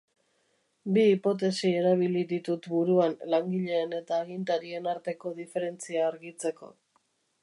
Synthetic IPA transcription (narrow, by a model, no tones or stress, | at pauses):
biːpo̞t̪̬e̞sie̞ɾaβ̞iliðit̪ut̪buɾuanlaŋɡiʎe̞ːne̞t̪aːɣint̪aɾie̞naɾt̪e̞ko̞ðifeɾe̞nt͡siaːɾɣit͡se̞ko̞̰